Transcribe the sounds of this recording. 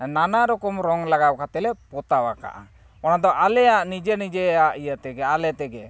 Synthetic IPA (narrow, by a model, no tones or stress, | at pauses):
nanaɾɔkɔmɾɔŋlaɡawkat̪ɛlɛpɔt̪awaka̰ʔa̰ | ɔnad̪ɔʔalɛjaʔnid͡ʒenid͡ʒɛaʔijət̪ɛɡɛalɛt̪ɛɡɛ